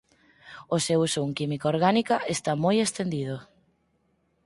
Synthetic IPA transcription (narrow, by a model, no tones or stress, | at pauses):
osewsuŋkimikaoɾɣanikaest̪amojest̪end̪ið̞o